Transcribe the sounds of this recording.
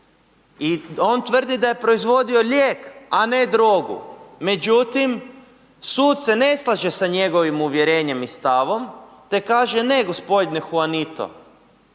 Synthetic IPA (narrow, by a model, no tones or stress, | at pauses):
io̞nt̪ʋr̩d̪id̪aje̞pɾo̞izʋo̞d̪io̞ʎʲjeːkane̞d̪ɾoɡṵme̞d͡ʒut̪im | suːd̪se̞ne̞slˠaʒesaɲe̞ɡo̞ʋimuʋjeɾe̞ːɲe̞mist̪aʋo̞mt̪e̞kaːʒene̞ɡo̞spo̞d̪nexuanit̪o̰